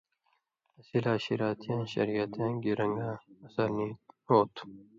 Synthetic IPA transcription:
ɐsilaːɕiɾaːt̪ʰjãːnɕɐ̰ɾijɐt̪ʰjãːɡiɾɐŋɡãːɐsaːniːɾoːt̪ʰ

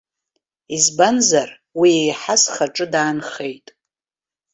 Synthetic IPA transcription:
izbanzar | wiejħasχaʈ͡ʂʼɨdaːnχe̞jtʼ

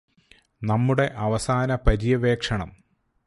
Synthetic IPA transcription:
nɐmːuɽe̞ʔɐʋɐsaːnɐpɐɾijɐʋe̞ːkʂɐɳɐm

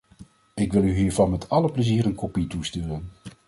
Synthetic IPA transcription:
ɪkʋɪlˠyɦiːɹvɑnmɛtʰɑləpləziːɾənkopitustøːrən

